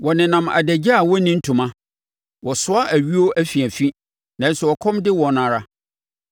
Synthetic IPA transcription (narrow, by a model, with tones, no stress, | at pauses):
wɔ˨nɪ̃˨nã˨ma̰˨dæ˨d͡ʑa˦a˨wɔ˦nĩ˦n̩˦tʰũ˨mã˦ | wʔɔ˨sʊ˦a˦ʔæ˨ɥi˦o˦ʔæ˦fi˨æ˨fĩ˦ | nã˨n˦sɛ˨ɔ˨kʰɔ̃˦mdɪ˦wɔ̃˨nã˨ɾa˦